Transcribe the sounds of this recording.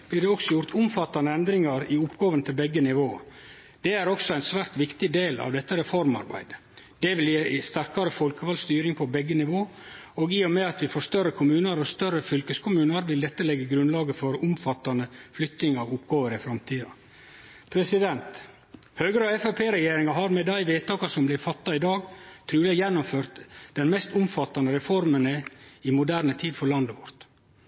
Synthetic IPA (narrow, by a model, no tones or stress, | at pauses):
b̥lɪːɖɛɔksɔjʊɾt̪ʰʊmfɑt̪ːɑnəɛnd̪ɾɪŋɑɾɪʊpɡɑːʋənət̪ʰɪlbɛɡːənɪʋoː | d̪̥ɛæɾɔksɔæɪnsʋæːɾt̪ʋɪkt̪ɪd̪eːlɑ̰ʋd̪ɛt̪ːəɾɛfɔɾmɑ̰ɾbæ̰ɪd̪ə | d̪̥ɛʋɪljiːst̪æɾkɑɾəfɔlkəʋɑlst̪yːɾɪŋpʰɔbɛɡːənɪʋoː | oːɡiːɔmɛɑt̪ʋɪfoːst̪œrːəkʰʊmʉːnəɾɔst̪œrːəfʏlkəskʰʊmʉːnəɾʋɪlːɛt̪ːəɭɛɡːəɡɾʉnlɑːɡəfɔɾʊmfɑt̪ːɑnəflʏkt̪nɪŋɑʋʊpɡɑːʋəɾɪfɾɑmt̪ʰiːɑ | pʰɾɛsɪd̪ɛnt̪ | høːɡəɾəɑɛfɑpʰeːɾɛjeːɾɪŋɑɦɑɾmɛd̪æɪʋeːt̪ʰɑːkɑsɔmblɪɾfɑt̪ːɑɪd̪ɑːɡt̪ʰɾʉːlɪjɛnːʊmføːɾt̪d̪̥ɛnmɛst̪ʊmfɑt̪ːɑnəɾɛfɔɾmənəɪmʊd̪æːɾnət̪ʰiːd̪fɔɭɑnd̪əʋɔɾt̪